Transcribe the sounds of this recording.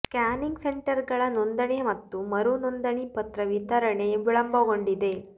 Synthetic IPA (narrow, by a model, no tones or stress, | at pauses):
kaːniŋɡseɳʈɐɾɡɐɭɐnond̪ɐɳe̞mɐt̪ːumɐɾunond̪ɐɳipɐt̪ɾɐʋit̪ɐɾɐɳe̞ʋiɭɐmbʱɐɡo̞ɳɖid̪e̞